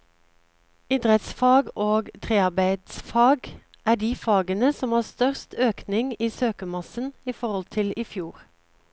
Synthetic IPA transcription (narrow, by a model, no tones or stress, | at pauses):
ɪd̪ʁət̪sfɑːɡoːɡt̪ʰʁeːɑʁbæɪd̪sfɑːɡ | ʔæːɖiːfɑːɡənəsɔmɑːst̪œʁst̪ʰøːknɪŋiːsøːkəmɑsn̩iːfɔʁɔlt̪ʰɪlɪːfjuːʁ